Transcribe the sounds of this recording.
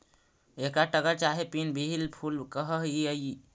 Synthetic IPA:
ekɾaʈəɡəɾt͡ʃaɦepinbʱiɦilpʰulkəɦəɦiəj

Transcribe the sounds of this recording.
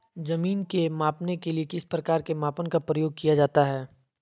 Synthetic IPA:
zɐmiːnkemaːpnekeliekɪspɾɐkaːɾkemaːpənkapɾəjoːɡ̚kijad͡ʒaːt̪aɦɛː

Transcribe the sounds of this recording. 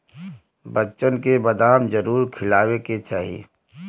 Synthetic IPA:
bətːt͡ʃənkebɐd̪aːmd͡ʒəɾuːɾkʰɪlaːweket͡ʃa̰ːɦḭ

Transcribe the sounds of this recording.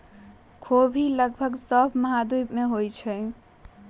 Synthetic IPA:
kʰobʱiləɡbʱəɡsəbʱməɦad̪ujbmeɦojt͡ʃʰɛ

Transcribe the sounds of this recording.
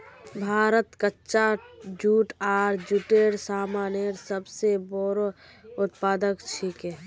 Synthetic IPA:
bʱaːɾət̪kətːʃad͡ʒuːʈaːɾd͡ʒuʈeːɾsaːmaːneɾsəbseboɾo | ʊt̪̚paːd̪əkt͡ʃʰikɦɛː

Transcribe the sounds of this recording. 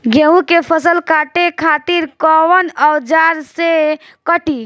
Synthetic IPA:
ɡʱeũkepʰəsəlkʰaʈekʰat̪iɾkəwənəd͡ʒaɾse | kəʈi

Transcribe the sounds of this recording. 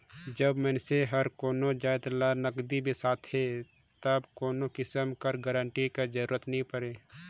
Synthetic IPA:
d͡ʒəbmɛ̃ːnseɦɐɾkoːnod͡ʒaːjt̪lanəkd̪ibʱisaːt̪ʰɦe | t̪əbkoːnokɪsəmkəɾɡəɾəɳʈikad͡ʒəɾuːɾət̪nɐɦĩpəɾeː

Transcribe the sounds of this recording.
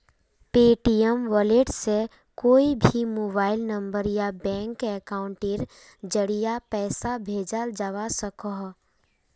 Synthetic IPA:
peːʈiɛmʋɔleʈse | koːibʱimoːbaːɪlnə̃mbəɾjabɛ̃ːŋkɛkaːʊ̃ɳʈɪɾ | d͡ʒəɽijapɛːsabʱeːd͡ʒəld͡ʒəʋasəkɔɦ

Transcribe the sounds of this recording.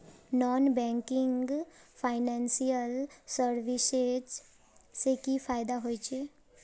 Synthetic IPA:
nɔːnbɛ̃ːŋkɪ̃ŋɡfʰaːɪnɛ̃ːnsijəlsəɾʋɪsed͡ʒ | sekifaːɪd̪aɦoːit͡ʃʰeː

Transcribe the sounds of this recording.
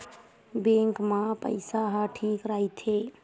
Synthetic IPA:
bẽŋkmãpə̰ɪsaɦãʈʰikɾait̪ʰe

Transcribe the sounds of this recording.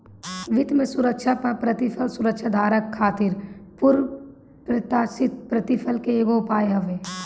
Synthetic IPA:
ʋɪt̪mẽsʊɾəkʃapɐɾpɾət̪ɪfʰəlsʊɾəkʃʰad̪ʱaːɾəkʰːaːt̪ɪɾpʊɾ | pɾət̪aːsɪt̪̚pɾət̪ɪfʰəlkeeːɡoʊpaːjeɦɐʋeː

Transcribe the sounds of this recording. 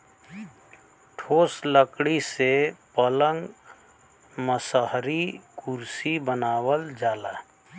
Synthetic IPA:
ʈʰoːsləkɽisepələŋɡ | məsəɦɾikʊɾsibənaːwəld͡ʒaːlaː

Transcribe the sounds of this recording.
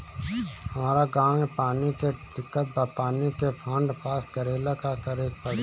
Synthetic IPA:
hɐmaːɾaɡãːẽpaːnikeɖɪkːət̪̚bəp̪aːnikepʰə̃ɳɖpʰaːst̪ɡəɾeːlakakəɾeːk̚pəɽ

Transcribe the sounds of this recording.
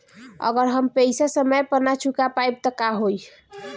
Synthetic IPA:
ə̰ɡəɾɦəmpəsasəməjpənat͡ʃʰukapajb̚t̪əkaɦoj

